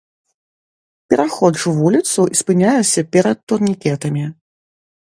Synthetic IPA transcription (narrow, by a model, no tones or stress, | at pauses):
pʲɛɾaxɔd̪ʐɨvulʲit̪suʔispɨnʲajɛsʲɐpʲɛɾɐt̪ːurnʲikʲɛt̪ɐmʲi